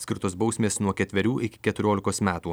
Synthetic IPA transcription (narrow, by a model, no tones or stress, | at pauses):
sʲkʲɪɾt̪oːsbɒʊsʲmʲeːsnuɔkʲɛt̪ʲʋʲɛɾʲuːʔɪkʲɪ̥kʲɛt̪ʊɾʲoːlʲɪkoːsmʲæːt̪uː